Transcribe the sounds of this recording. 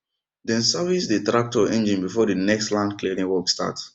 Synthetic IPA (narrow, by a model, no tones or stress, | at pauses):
dɛ̃nsavisditɹak̚tɔɛ̃nd͡ʒĩnbifɔdinɛkstlãndklidĩŋwɔksta̰t